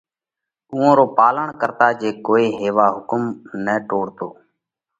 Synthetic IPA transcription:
uːõːɾoːpaːləɳkəɾt̪aːd͡ʒeːkoːiːɦeːʋaːɦʊkəmnəːʈoːɽt̪oː

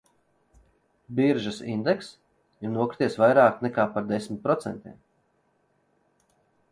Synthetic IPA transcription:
biɾʒasḭnd̪ɛks | jinuɔkɾi̥t̪ʲiɛsvajɾaːknɛkaːpaɾd̪esmʲit̪̚pɾɔt̪sɛ̰nt̪ʲiɛm

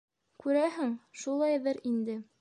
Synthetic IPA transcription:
kʉɾæɦɘŋʃulˠɑjðɤɾind̪ɘ

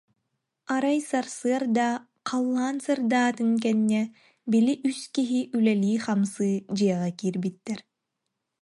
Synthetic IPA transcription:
aɾajsaɾsɯɐɾd̪a | qʰalˠːaːnsɯɾd̪aːt̪ɯŋk̬ɛnːɛ | biliʔyskiɦiʔylɛliːχamsɯːd͡ʑɯjɛʁɛkiːɾbit̪ːɛɾ

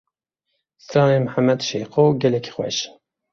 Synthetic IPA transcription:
st̪ɑːnemħamːɛd̪ʃejqoɡɛlɛkʰxʷwɛ̰ʃ

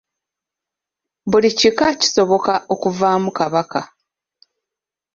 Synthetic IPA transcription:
bulicikaci̥so̞βo̞kaʔo̞kuvaːmukaβaka

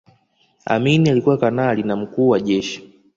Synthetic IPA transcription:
a̰minialikuwakanalinam̩kuːwaʄɛʃi̥

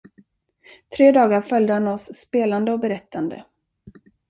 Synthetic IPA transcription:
t̪ʰɾeːd̪ɑːɡaɾfœljd̪əhanɔsːpeːland̪əɔbɛɾɛt̪ʰːand̪ə̰

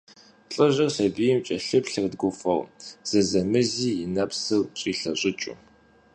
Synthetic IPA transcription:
ɬʼɐʑɪrɬɐbijɪmt͡ʃʼɐɬɨpɬɨrdɡʷʊfɐwz̥ɐzɐmɨziːjɪnɐpsɨwt͡ʃʼiːɬɐɕʼɪt͡ʃʼʊ̰

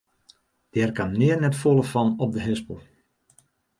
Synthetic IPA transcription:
d̥ɛːrkamnɪərnɛtfolˠəfɑnɔp̚dəɦɛsbəlˠ

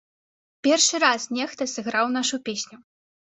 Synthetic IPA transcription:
pʲɛrʂɨɾasnʲɛxt̪ɐsɨɣɾawnaʂupʲesʲnʲu

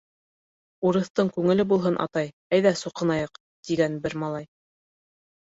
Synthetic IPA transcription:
uɾɤ̆θt̪ɤɴkʉŋɘ̆lɘbulˠɦɤnʔɑ̰t̪ɑj | æjðæsŭqɤ̆nɑjɤq | t̪iɡænbɘɾmɑlˠɑj

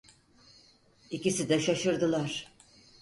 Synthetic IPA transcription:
icisid̪ɛʃaʃɯɾd̪ɯlˠaɾ̥

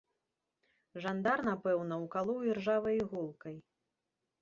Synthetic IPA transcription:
ʐand̪arnapɛwnɐwkalˠɔwirʐavɐjɣɔlˠkɐj

